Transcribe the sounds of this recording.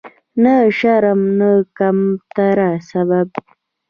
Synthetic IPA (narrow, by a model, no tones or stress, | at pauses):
nəʃaɾamnəkamt̪aɾasaβab